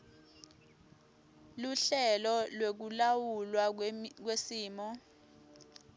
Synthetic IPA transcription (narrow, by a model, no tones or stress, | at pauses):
luɬɛlɔlwek̬ulawulwak̬wesiːmɔ